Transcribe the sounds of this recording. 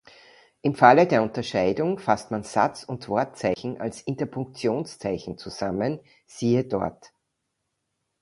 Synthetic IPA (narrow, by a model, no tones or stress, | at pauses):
ʔɪmfalədeːɐʊntɐʃaɪdʊŋfastmanz̥a̰t͡sʊntv̥ɔɐt̚t͡saɪçn̩ʔa̰lsɪntɐpʰʊŋk̚t͡sjoːnst͡saɪçn̩t͡suz̥amən | z̥iːədɔɐt